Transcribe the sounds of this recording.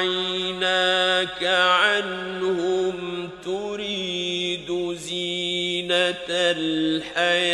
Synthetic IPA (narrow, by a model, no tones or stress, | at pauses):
jnakaʕanhʊmt̪ʊɾiːd̪ziːnalħaja